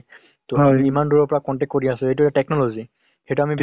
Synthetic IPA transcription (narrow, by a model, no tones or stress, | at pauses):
tʊamiimanduɹɔpɔɹakɔntɛk̚koɹiasʊejtuatɛk̚nɔlozi | xejtuamib